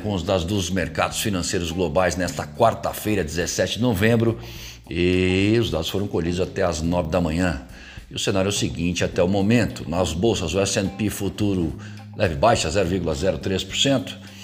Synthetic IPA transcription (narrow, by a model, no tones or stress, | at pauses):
kõʊzd̪ad̪ʊzd̪ʊzmeɾka̰d̪ʊsfinɐ̃sejɾʊzɡlobajznɛst̪ɐkwaɾt̪ɐfejɾɐd͡ʒɪzesɛt͡ʃɪd͡ʒɪnovẽmbɾʊ | ɪʊzd̪ad̪ʊsfoɾɐ̃w̃koʎid̪ʊzat̪ɛɐznɔvɪd̪ɐmɐ̃ɲɐ̃ | ɪʊsẽnaɾʊɛʊsɪɡĩnt͡ʃɪat̪ɛʊmomẽnt̪ʊnɐzbowsɐzʊɛsẽnpifut̪uɾʊ | lɛvɪbajʃɐzɛɾʊviɾɡulɐzɛɾʊt̪ɾespʊɾsẽnt̪ʊ̥